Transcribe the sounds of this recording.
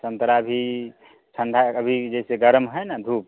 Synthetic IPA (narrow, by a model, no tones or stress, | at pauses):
sə̃nt̪ɾabʱi | t͡ʃʰə̃nd̪ʱaəbʱid͡ʒɛseɡəɾmɦəjnad̪ʱup̚